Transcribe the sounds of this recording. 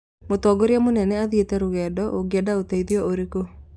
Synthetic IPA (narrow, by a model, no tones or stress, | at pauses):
motɔɡoɾeamonɛnɛaðetɛɾoɣɛːdɔʔoɡeɛdaotɛiðiɔoɾeko